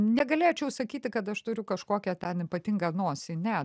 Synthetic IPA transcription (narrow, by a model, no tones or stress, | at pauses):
nʲɛɡɐlʲeːt͡ʃʲɛʊsɐkʲiːt̪ʲɪkɐt̪ɐʃt̪ʊɾʲʊkɐʃkoːkʲɛt̪ʲɛnɪpɐt̪ʲɪŋɡɐnoːsʲɪnʲɛ